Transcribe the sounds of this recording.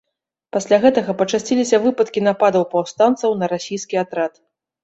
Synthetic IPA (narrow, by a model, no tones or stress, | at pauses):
pasʲlʲaɣɛt̪ɐɣɐpɐt͡ʂasʲt͡sʲilʲisʲɐvɨpɐt̪kʲinapad̪ɐwpawst̪ant̪sɐwnɐɾasʲijskʲiat̪ɾat̪